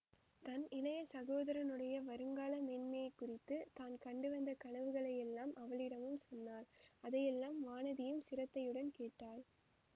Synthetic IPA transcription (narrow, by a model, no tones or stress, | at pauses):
t̪ɐnɪlɐjɐsɐɣoːðɐɾɐnɯɽɐjɐʋɐɾɯŋɡaːlɐmɛːnmɐjɐɪkːʊrɪt̪ːɯt̪aːnkɐɳɖɯʋɐnd̪ɐkɐɳɐʋɯɣɐɭɐjɛlːaːmʔɐʋɐlɪɽɐmɯmsɔnːaːlɐðɐjɛlːaːmʋaːnɐðɪjɯmsɪɾɐt̪ːɐjɯɽɐnkeːʈːaːl